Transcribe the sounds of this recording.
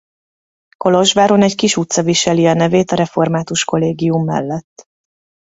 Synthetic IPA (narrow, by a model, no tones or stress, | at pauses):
ko̞loʒʋaːɾonɛckiʃut̪sɒviʃɛliɒnɛveːt̪ɒɾɛfo̞rmaːt̪uʃko̞leːɡijumːɛ̰lːɛt̪ː